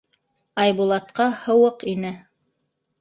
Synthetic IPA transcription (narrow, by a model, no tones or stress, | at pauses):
ɑjbulˠɑt̪̚qɑhɤ̆wɤqinɘ